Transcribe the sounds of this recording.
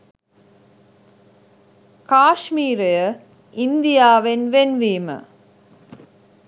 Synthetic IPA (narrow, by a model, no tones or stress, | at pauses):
kaːʂmiːɾɐjɐ | ɪnd̪ɪjaːʋɪnʋɛnʋiːmɐ̰